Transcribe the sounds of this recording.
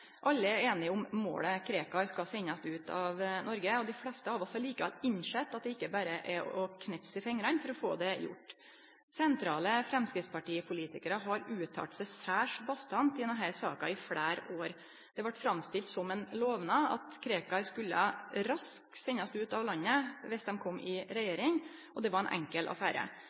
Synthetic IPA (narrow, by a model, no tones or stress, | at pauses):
ʔɑlːəæeːnɪʊmmo̰ːləkʰɾeːkɑskɑsɛɲːɑsd̪ɛʉːt̪ʰɑ̰ʋnɔɾɡəɔd̪ɪflɛst̪əɑːʋɔshɑɾɭiːkəʋɛ̰lɪɲʂɛt̪ːɑt̪̚d̪ɛɪkːəbæːɾəʔɛʔɔkʰnɛpsɪfɛŋːɾɑnfɔɾɔfo̰ːd̪ɛjʊ̰ʈː | sɛnt̪ʰɾɑːləfɾɛmskɾɪt̪spɑʈiːpʰʊliːt̪ɪkəɾəɦɑɾʉːt̪ʰɑ̰ʈ̪sæɪsæːʂbɑst̪ɑnt̪ɪd̪ɛnɦæɾsɑ̰ːkɑɪfɽæːɾoːɾ | d̪̥ɛʋɑʈːfɾɑmst̪ɪlt̪sɔmɛnloːʋnɑɑ̰t̪kʰɾeːkɑskʉlːəɾɑsksɛɲːɑst̪ʉːt̪ɑʋlɑnːəʋɛsd̪ɛmkʰɔmːʔɪɾɛjeːɾɪŋ | ʔɔd̪ɛʋɑɾɛnʔɛ̰ŋkəlʔɑ̰fæːɾə̰